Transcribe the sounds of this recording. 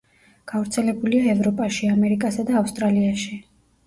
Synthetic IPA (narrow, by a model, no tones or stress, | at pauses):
ɡ̥avɾt̪sʰɛlɛbuliaɛvɾɔpʼaʃiamɛɾikʼasad̪aːfst̪ʼɾaliaʃi